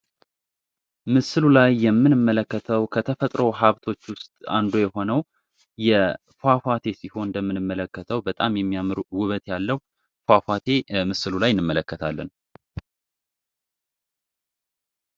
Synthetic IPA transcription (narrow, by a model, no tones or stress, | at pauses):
mɨsɨlulajːɛmːɨnɨmːələkːət̪ʰəwkʰət̪ʰəfət̪ʼɾəwɦaβt̪ʰo̞t͡ʃːwʊst̪ʼa̰nd̪ojɛho̞nəw | jɛ | fafat̪ʰe̞siho̞nnd̪əmːɨnɨmːələkːət̪ʰəwbət̪ʼamjɛmːijamɨɾwʊβət̪jalːəw | fafat̪ʰemɨsɨlulajɪnːɨmːələkːət̪ʰalːən